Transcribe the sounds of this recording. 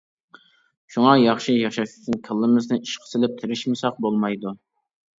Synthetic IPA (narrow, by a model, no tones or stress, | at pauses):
ʃuŋɑjɑχʃijɑχʃɑʃɪ̥t̪ʰɪnkʲʰɪlˠːɨmɪznɨiʃqʰə̥sɪlɪp̚t̪ʰɪɾɪʃmɪsɑq̚bolˠmɑjd̪u